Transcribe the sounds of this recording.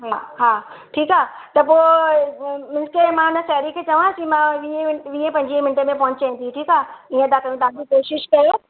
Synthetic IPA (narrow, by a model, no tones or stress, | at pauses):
ɦaɦaː | ʈʰiːkaː | t̪ɐpoː | mɪ̃nskemãʊnə̆sɛːɾikʰet͡ɕɐʋasimãʋiɪʋiẽpɐ̃ɲd͡ʑimɪ̃nʈə̆mẽp̬ɔɦʊɲt͡ɕãĩt̪ʰiʈʰiːkaːĩẽɐd̪akɐj̃ũd̪ãkikoːʃɪʃkɐjo